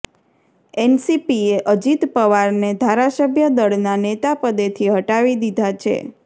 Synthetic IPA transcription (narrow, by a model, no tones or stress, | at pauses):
ɛnsipieʔəd͡ʒit̪pəʋaɾned̪ʱaɾasəbʱjəd̪əɽnanet̪apəd̪et̪ʰiɦəʈaʋid̪id̪ʱat͡ʃʰḛ